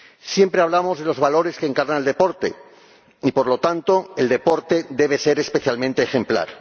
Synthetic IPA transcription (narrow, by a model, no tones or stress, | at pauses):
sje̞mpɾeaβ̞lamo̞zðelo̞zβalo̞ɾe̞skeŋkaɾnaeld̪e̞po̞ɾt̪e̞̰ | ipo̞ɾlo̞t̪ant̪o̞e̞ld̪e̞po̞ɾt̪e̞d̪e̞β̞ese̞ɾespeθjalmẽnt̪eːxe̞mpla̰ɾ